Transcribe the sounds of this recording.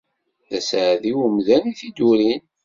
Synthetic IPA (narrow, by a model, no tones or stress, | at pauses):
ðæsʕðiwəmðæniθid̪uɾin